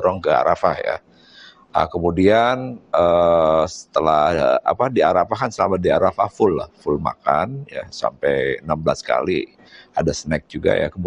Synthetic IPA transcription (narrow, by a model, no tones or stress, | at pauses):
ɾɔŋkəa̰ɾʔafahja̰ | ə̰kəmudianəsə̥t̪əlahəa̰padiaɾafahkansəlamadiaɾafahfʊlahfʊlma̰kanjasa̰mpɛjənambəlaska̰li | adasənɛk̚d͡ʒuɡa̰ja̰kəm